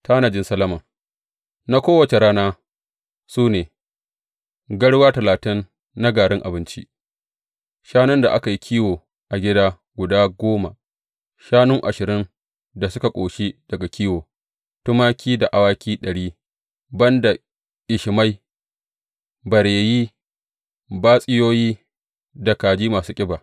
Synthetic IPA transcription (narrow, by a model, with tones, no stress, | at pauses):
tʰaː˦na˨d͡ʒɪ˦nsɐ˦lɐ˦mɐ˨ŋ | na˦kʷoː˦wɐ˨t͡ʃe˨ɾaː˦naː˦ | suː˦neː˨ | ɡɐ˦ɽwaː˦tɐ˨laː˨tɪ˦nː | a˦ɡaː˨ɽɪ˦ŋʔa̰˨bɪ˦nt͡ʃḭ˦ʔ | ʃaː˦nʊ˦nda˨ʔa˦ka˨ji˦kʲʰiː˦woː˨ | ʔa˨ɡʲɪ˦daː˦ | ɡʷʊ˨daː˦ɡʷoː˦ma˨ | ʃaː˦nʊ˦ŋʔa̰˨ʃɪ˨ɾɪ˦n | da˨sʊ˦ka˨kʷʼoː˨ʃi˦d̥ɐ˨ɡa˨kʲʰiː˦woː˨ | tʊ˦maː˦kʲʰiː˦da˨ʔa˨waː˦kʲiː˦ɗɐ˨ɽiː˦ | bɐ˦nda˨ | ʔɪ˨ʃɪ˨ma˦j | bɐ˨ɾeː˨jiː˦ | baː˦sʼɪ˦joː˦jiː˦ | da˨kaː˨d͡ʒiː˦maː˨suː˦kʲʼɪ˦baː˨